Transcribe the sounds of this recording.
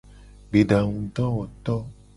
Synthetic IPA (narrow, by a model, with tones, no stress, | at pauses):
ɡ͡be˨ɖa˨ŋũ˨t̪ɔ˦wɔ˨t̪ɔ˦